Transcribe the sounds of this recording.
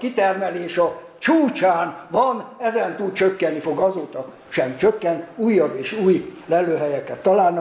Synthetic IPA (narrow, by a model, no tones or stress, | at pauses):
kit̪ɛrmɛleːʃɒ | t͡ʃuːt͡ʃaːnvɒnɛzɛnt̪ud̪̚t͡ʃøkːɛnːifo̞ɡɒzoːt̪ɒ | ʃɛmt͡ʃøkːɛnt̪uːjːɒbːeːʃuːjlɛlːøːɦɛjɛkːɛt̪ːɒlaːlnɒ